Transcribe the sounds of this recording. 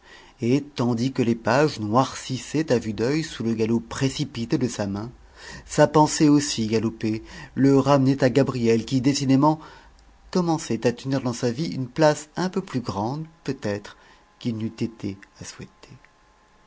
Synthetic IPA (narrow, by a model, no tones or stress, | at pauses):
et̪ɑ̃d̪ikəlepaʒnwaʁsisɛt̪avyd̪œjsuləɡalopχesipit̪ed̪əsamɛ̃ | sapɑ̃sɛosiɡalopeləʁamnɛt̪aɡabʁijɛlkʲid̪esid̪emɑ̃ | kɔmɑ̃sɛt̪at̪əniʁd̪ɑ̃saviynplasɛ̃pøplyɡʁɑ̃d̪pøt̪ɛt̪χ | kʲilnyt̪et̪ʰeaswɛt̪ʰe̥